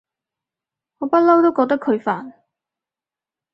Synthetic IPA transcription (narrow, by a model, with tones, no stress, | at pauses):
ŋɔː˨˧pɐ˥t̚lɐ˥wt̪o˥wkɔː˧k̚t̪̬ɐ˥kʰɵ˨˧ɥfaː˨˩n